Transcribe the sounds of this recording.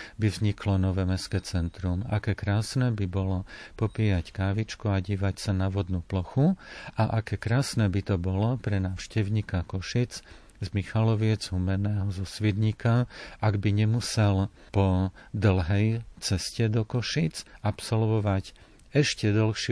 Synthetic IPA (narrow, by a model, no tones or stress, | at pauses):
bivzɲikʰlɔnɔʋɛːmɛskɛːt͡sɛnt̪ɾuma̰kɛːkɾaːsnɛːbibɔlɔpɔpiːjackaːʋit͡ʃkuaɟiːʋacsanaʋɔd̪nuplɔxuaʔakɛːkɾaːsnɛːbit̪ɔbɔlɔpɾɛnaːʊʃcɛʊɲiːkakɔʃid͡z | zmixalɔʋɪɛd͡zɦumɛnɛːɦɔzɔsʋid̪ɲiːkaʔaɡbiɲɛmusɛl | pɔd̪l̩ɦɛjt͡sɛscɛd̪ɔkɔʃit͡sapsɔlʋɔʋac | ɛʃcɛd̪ɔlxʃɪ